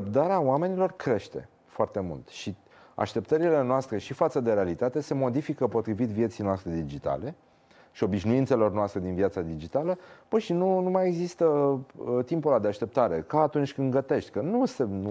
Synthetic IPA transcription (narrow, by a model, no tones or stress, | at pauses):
p̚t̪aɾeawame̞nilo̞rkɾe̞ʃt̪e̞̰ | foart̪e̞mṵlt̪ʃi | a̰ʃt̪e̞pt̪əɾile̞noast̪ɾe̞ʃifat̪səd̪e̞ɾe̞alit̪at̪e̞se̞mo̞d̪ifikəpo̞t̪ɾivit̪vije̞t̪sijnoast̪ɾe̞d̪id͡ʒit̪a̰le̞ | ʃio̞biʃnuint̪se̞lo̞rnoast̪ɾe̞d̪inviat̪sad̪id͡ʒit̪aləb̥əʃinunumaje̞ɡzist̪ə | t̪impolad̪eaʃt̪e̞p̚t̪aɾe̞kaːt̪unt͡ʃʲkɨnɡət̪e̞ʃt̪ʲkənusenu